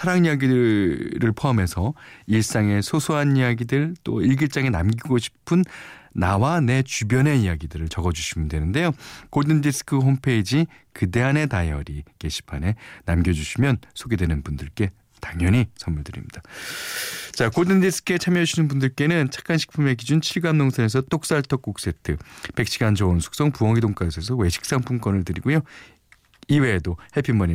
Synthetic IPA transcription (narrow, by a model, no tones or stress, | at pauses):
sʰaɾaŋijaɡidɯɾɯɭpʰoame̞sʰʌiɭs͈aŋe̞sʰosʰoɦanijaɡidɯɭt͈o̰iɭɡiɭt͡ɕ͈aŋe̞namɡiɡoɕʰi̥pʰɯnːawane̞t͡ɕubjʌne̞ijaɡidɯɾɯɭt͡ɕʌɡʌd͡ʑuɕʰimɯndwe̞nɯnde̞jokoɭdɯndis͈ʰɯ̥kʰɯɦompʰe̞id͡ʑi | kɯde̞ɦane̞tajʌ̰ɾike̞ɕʰi̥pʰane̞namɡjʌd͡ʑuɕʰimjʌnsʰoɡe̞dwe̞nɯnbundɯɭk͈e̞ | taŋjʌɲisʰʌnmuɭdɯɾḭmɲid̥a | t͡ɕakoɭdɯndisʰɯ̥kʰɯe̞t͡ɕʰamjʌd͡ʑuinɯnbundɯɭk͈e̞nɯnt͡ɕʰḁk͈anɕʰi̥k̚pʰume̞ɡid͡ʑunt͡ɕʰiɭɡamnoŋsʰʌne̞sʰʌt͈ok̚s͈aɭtʰʌk͈ok̚s͈e̞tʰɯpe̞k̚ɕʰiɡand͡ʑʌwʌnsʰu̥k̚s͈ʌŋpuwʌŋidoŋk͈aesʰes̬ʰʌwe̞ɕʰi̥k̚s͈aŋpʰumk͈ʌnɯɭtɯɾiɡojo | iwe̞ːdohepʰimːʌɲi